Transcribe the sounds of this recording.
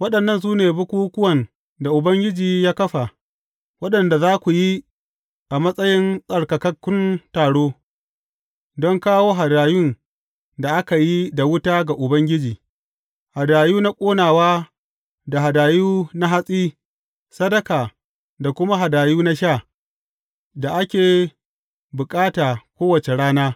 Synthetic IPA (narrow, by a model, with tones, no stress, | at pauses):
wɐ˦ɗɐ˨nːɐ˦˨ns̬uː˦neː˨bʊ˦kʷuː˦kʷʊ˦wɐ˨n | da˨ʔʊ˨bɐ˦ŋɡʲɪ˦d͡ʒiː˨jaː˦kɐ˦ɸa˨ | wɐ˦ɗɐ˨nda˨zaː˦kʷu˨ji˦ | ʔa˨mɐ˦sʼɐ˦jɪ˦nsʼɐ˨ɽkɐ˨kɐ˦kʷːʊ˦ntaː˨ɽoː˦ | dɔ˦ŋkaː˦woː˦ɦa˨daː˨jʊ˦n | da˨ʔa˦ka˨ji˦da˨wʊ˦taː˦ɡa˨ʔʊ˨bɐ˦ŋɡʲɪ˦d͡ʒiː˨ | ha˨daː˨juː˦na˦kʷʼoː˦naː˨waː˦ | da˨ɦa˨daː˨juː˦na˦ɦa˦sʼiː˦ | sɐ˦dɐ˦kaː˨ | da˨kʷʊ˦ma˦ɦa˨daː˨juː˦na˦ʃaː˦˨ | da˨ʔa˦kʲeː˨ | bʊ˨kʼaː˦taː˨kʷoː˦wɐ˨t͡ʃe˨ɽaː˦naː˦